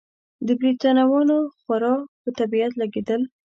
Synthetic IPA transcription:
d̪əbɾit̪ɑnawɑnoxwaɾɑpət̪abiat̪laɡed̪əl

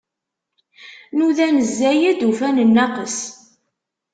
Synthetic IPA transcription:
nuðænəzːæjæd̪ufænənːɑqəs

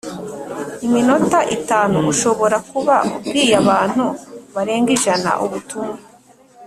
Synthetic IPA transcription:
imino̞taʔitaːnuuʃo̞βo̞ɾakuβaɾiːjaβaːn̥huβaɾe̞ːŋɡiʒana̰ʔuβutuma

